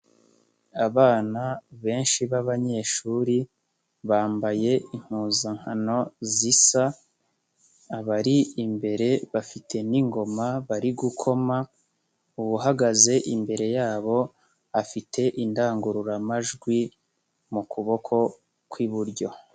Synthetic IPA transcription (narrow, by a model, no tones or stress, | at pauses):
aβaːnaβe̞ːnʃiβaβaɲe̞ʃuːɾi | βaːmbaje̞iŋ̥huːzaŋ̥hano̞zisa | βaɾiimbe̞ɾe̞βafitʰe̞niŋɡo̞maβaɾiɡukʰo̞ma | uβuɦaɡaze̞ʔimbe̞ɾe̞jaːβo̞ | afitʰe̞ʔindaːŋɡuɾuɾamaʒɡwi | mukuβo̞kʰo̞ | kwiβuɾɟo̞